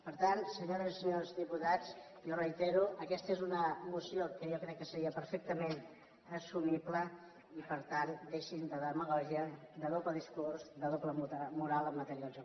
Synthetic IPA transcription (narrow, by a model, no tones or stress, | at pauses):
pəɾt̪ansəɲoɾəzisəɲozðiput̪at͡s | jorəjt̪ɛɾuʔəkɛst̪əezunəmusiokəjokɾɛkːəsəɾiəpəɾfek̚t̪əmen | əsumiplə | ipəɾt̪and̪eʃind̪əðəməɣ̞ɔʒiəd̪əðopləðiskurzd̪əðopləumuɾalˠəmːət̪əɾialˠʒ